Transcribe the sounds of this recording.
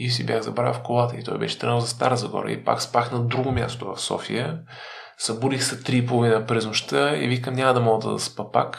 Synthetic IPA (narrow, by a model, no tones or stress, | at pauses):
isibjaɣzɐbɾa̰wfkolˠat̪əit̪ɔjbɛ̰ʃɛ̥st̪ɾənozɐst̪aɾəzɐɡɔ̰ɾɐ̰ḭpa̰kspaxnɐd̪ɾuɡomʲja̰st̪ovɐ̰fsɔ̰fḭjə | sɐbuɾixsɐt̪ɾipolˠovinəpɾɛznoʃt̪əḭvikəmnʲaməd̪ɐmɔɡd̪ɐ̰d̪ɐ̰spɐpa̰k